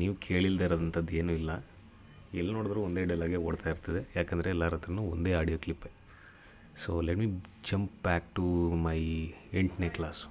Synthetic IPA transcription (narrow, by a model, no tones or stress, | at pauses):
niːʋukʰeːɭild̪eːɾoːd̪ɐnt̪ʰɐd̪ːe̞ːnuːilːɐ | ɛlːnoːɽd̪ɐɾuond̪eɽiɐlaːɡeoːɽt̪aːjiɾt̪ɐd̪e̞jaːkɛnd̪ɐɾeːlːaːɾɐt̪ɾɐnuond̪e̞ːaːɖijoːklipːe | soːleʈmiːd͡ʒɐmpbæːk̚ʈumɐjeɳʈneʈklaːs